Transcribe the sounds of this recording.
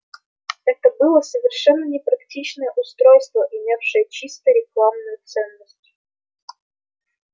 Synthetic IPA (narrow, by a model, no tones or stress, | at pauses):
ɛt̪əbɨlˠəsəvʲɪrʂɛnːənʲɪpɾɐktʲit͡ɕnəjəʔʊst̪ɾojst̪vəʔɪmʲafʂɨjət͡ɕist̪əɾʲɪklˠamnʊjʊt̪sɛnːəsʲtʲ